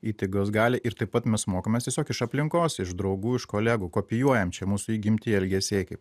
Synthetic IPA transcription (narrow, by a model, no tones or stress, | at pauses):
iːt̪ɪɡoːs̬ɡɑːlʲɪʔɪɾt̪ɐɪpːɐt̪mʲɛsmoːkomʲɛst̪ʲiɛsʲoːkɪʃɐpʲlʲɪŋkoːsɪʃd̪ɾɐʊɡuːɪʃkoːlʲæːɡuːkoːpʲɪjuɔjɛmt͡ʃʲɛmuːsʊiːɡʲɪmʲt̪ʲɪɛlʲɡʲɛsʲeːkɐɪp